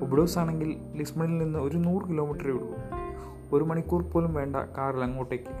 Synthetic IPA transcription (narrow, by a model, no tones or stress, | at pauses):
obɽoːsaːɳe̞ŋɡil | lismɐɳilninːɨo̞ɾunuːrɨkilo̞ːmiʈːɐriʋiɽuʋṵm | o̞ɾumɐɳikʲːuːrpo̞ːlumʋe̞ːɳɖɐ̰kaːrlɐŋːoːʈːekʲːɨ